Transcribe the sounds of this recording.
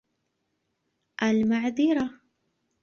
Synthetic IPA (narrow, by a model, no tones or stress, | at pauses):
ʔalmaʕðiːɾa